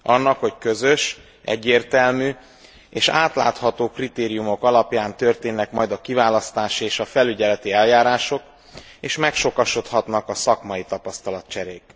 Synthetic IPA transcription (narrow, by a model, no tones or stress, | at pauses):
ɒnːɒkho̞ckøzø̞ʃ | ʔɛ̰ɟːeːrt̪ɛlmyː | eːʃaːt̪la̰ːt̪hɒt̪oːkrit̪eːɾijumo̞kɒlɒpjaːnt̪ø̞rt̪eːnːɛkmɒjd̪ɒkivaːlɒst̪aːʃieːʃɒfɛlyɟɛlɛt̪iɛljaːɾaːʃo̞k | eːʃmɛkʃo̞kɒʃo̞t̪hɒt̪nɒkɒsɒkmɒjit̪ɒpɒst̪ɒlɒt̪̚t͡ʃɛɾeːk